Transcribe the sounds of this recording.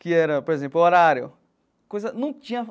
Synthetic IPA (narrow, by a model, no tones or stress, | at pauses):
kɪɛɾɐpoɾezẽmplʊoɾaɾjʊ̰ | kojzɐnũw̃kɐt͡ʃĩɲɐ